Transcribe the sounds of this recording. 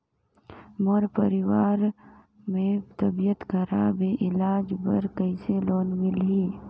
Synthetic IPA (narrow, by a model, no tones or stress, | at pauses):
moɾpəɾɪwaːɾ | mẽt̪əbijət̪kəɾa̰beʔɪlaːd͡ʒbəɾkəɪseloːnmɪlɦiː